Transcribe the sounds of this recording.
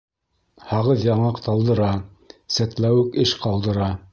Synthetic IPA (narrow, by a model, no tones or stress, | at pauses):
hɑʁɤðjɑɴɑqt̪ɑlˠd̪ɤ̆ɾɑ | sæt̪læwɘkɘʃqɑlˠd̪ɤ̆ɾɑ